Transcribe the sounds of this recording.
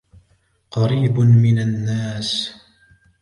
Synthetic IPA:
qɑɾiːbmɪnanːaːs

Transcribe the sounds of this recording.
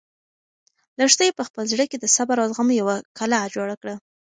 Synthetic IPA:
laʂt̪ajepəxpəlzɽəked̪əsabaɾazɣamojawakalad͡ʒoɽakɽa

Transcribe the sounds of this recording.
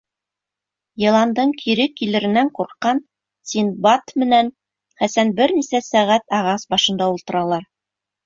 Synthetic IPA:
jɤ̆lˠɑnd̪ɤɴkʰiɾɘkːilɘ̆ɾɘ̆næŋquɾqːɑn | sʲinbɑt̪mɘ̆næn | χæsænbɘɾnisæsæʁæt̪ɑʁɑsbɑʃɤ̆nd̪ɑulˠt̪ɤ̆ɾɑlˠɑɾ

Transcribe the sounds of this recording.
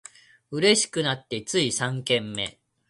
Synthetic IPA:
ɯ̟ɾe̞ɕi̥kɯnat̪ːe̞t͡sɨisãŋkẽ̞mːe̞̰

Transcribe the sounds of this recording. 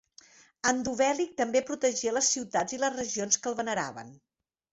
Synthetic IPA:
ənd̪uβɛlik̚t̪əmbepɾut̪əʒiələsːiwt̪ad͡ziləzrəʒionskəlˠβənəɾa̰βə̰n

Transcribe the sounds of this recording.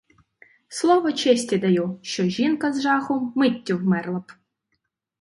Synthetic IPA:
slˠɔʋɔt͡ʃɛsʲtʲid̪ɐjuʃt͡ʃɔʒinkɐzʒɑxʊmɪtʲːʊwmɛrlˠɐp

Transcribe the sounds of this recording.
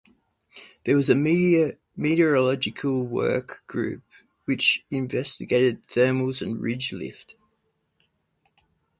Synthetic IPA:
ðəwɒzə | miɾəɹəlɒd͡ʒɪkʰəlˠwɜ̰ˑkɡ̥ɹʉ̰ˑp̚ | wɪt͡ʃɪ̃ɱvɛstɪɡeɪɾɪd̪̥̚θɜːməlˠzə̃nɹɪd͡ʒlɪ̰ft

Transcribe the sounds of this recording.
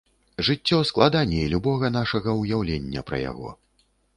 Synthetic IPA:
ʐɨt͡sʲːɔsklˠad̪anʲɛilʲubɔɣɐnaʂɐɣɐwjawlʲenʲːɐ̰pɾɐ̰ja̰ɣɔ̰

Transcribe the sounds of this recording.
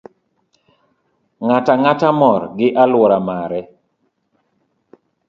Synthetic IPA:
ŋataŋatamɔɾɡɪʔalwɔɾamaɾɛ

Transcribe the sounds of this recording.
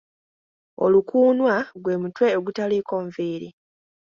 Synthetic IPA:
o̞̰lukuːnwaɡwe̞mutwe̞oɡutaliːko̞ːɱviːɾi

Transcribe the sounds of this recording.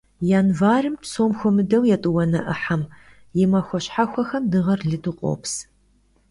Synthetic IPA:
jaːnvaːrɨmpsoːmxʷɔmɨdɐwjɛtʼɨwɐnɐʔɨħam | jɪmɐxʷɔɕħaxʷɐxɐmdɨʁɐrɮɨdɨqʷʼo̰ːps

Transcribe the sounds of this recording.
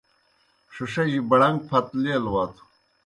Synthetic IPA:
ʂuʂɐjibɐɽɐŋɡ̚pʰɐt̪leːlwɐt̪ʰu̥

